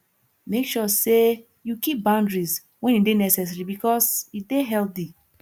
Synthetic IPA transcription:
mekʃɔse | jukip̚bãʊ̃ndɹis | wɛ̃nidenɛsɛs̬ɹibikɔsideɦɛlθi

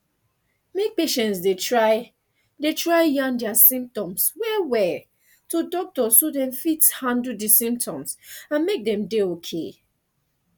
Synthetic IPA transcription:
mek̚peʃɛ̃ntsdetɹaɪ | detɹaɪjãndɛasĩmp̚tɔ̃mswɛwɛ | todɔk̚tɔssodɛ̃ɱfithãndudisĩmp̚tʰɔ̃msãnmek̚dɛ̃mdeokʰe

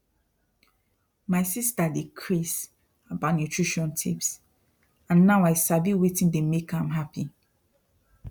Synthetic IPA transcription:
maɪsistadikʰɹis | abanutʰɹiʃɔ̃ntʰips | ãnːaʊaɪsavjuwitĩndemekʰãmɦapi

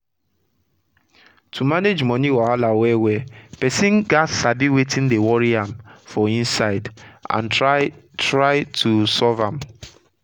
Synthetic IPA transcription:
tʰumaned͡ʒmɔniwɔalawɛwɛpɛsĩnɡasabiwetĩndewɔɹiãmfɔĩnsaɪdã̰na | tɹaɪtʰusɔvãm

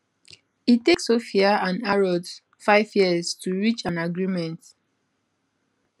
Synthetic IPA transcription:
itːeksofiaãnaɹɔd | faɪvjiəstʰuɹit͡ʃãnaɡɹimɛ̃nt

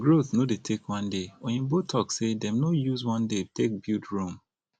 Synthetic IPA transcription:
ɡɹoθnodetʰekwʌ̃ndewɛ̃njubotʰɔksedɛ̃mnojuzwɔ̃ndetek̚bildɹũm

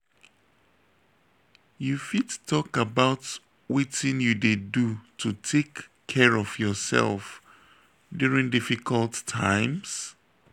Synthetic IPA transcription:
jufittʰɔkabaʊt | witɪ̃njudedutʰutʰekʰː | ɛɹɔvjɔsɛ̰lˠf | djuɹĩŋdifikʰəlˠtʰãɪ̃ms

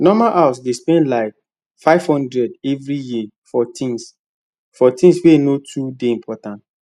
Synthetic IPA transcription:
nɔmaʔawsdespɛ̃nlaɪk̚ | faɪv̥hɔ̃ndɹɛdɛvɹiji | fɔtĩns | fɔtĩnswenotʰudeĩmpʰɔtãnt

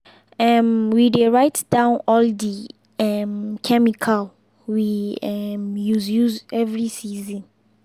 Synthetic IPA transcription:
ɛmwideɹaɪtd̥ãʊ̃nɔldi | ɛmkʰɛmikʰal | wiɛmjuzjuzɛvɹisizĩn

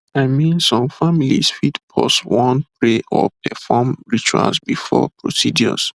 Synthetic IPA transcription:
aɪmĩnsɔ̃mfamilisfitpʰɔswɔ̃npɹeʔɔpʰɛfɔmɹit͡ʃua̰lsbifɔ̰pʰɹosidjɔs

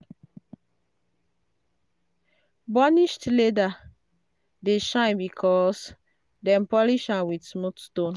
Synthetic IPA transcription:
bɔniʃtleda | deʃãɪ̃nbikʰɔs | dɛ̃mpɔliʃãwidsmotstõn

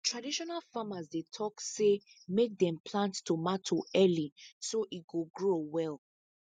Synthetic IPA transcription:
tɹadiʃɔnalfamazdetʰɔksemek̚dɛ̃mpʰlãnttumatʰoɛlisoʔit̚ɡoɡɹowɛlˠ

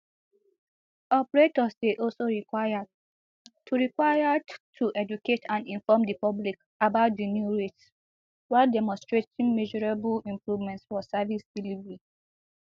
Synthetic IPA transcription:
ɔpɹetɔseʔɔlsoɹiaa | tʰːuɹikwajadtʰuʔɛd͡ʒuketʰãnĩnfɔmdipɔblik | abaʊt̚dinjuɹets | waldɛmɔ̃nstɹetĩŋmɛʒɔɹebulĩmpɹuvmɛ̃ntsfɔsavisdilivɛɹi

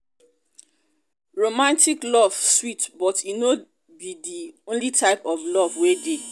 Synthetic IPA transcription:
ɹomãntʰiklɔv̥switbɔtino | bidiõnlitʰaɪpɔvlɔvwede

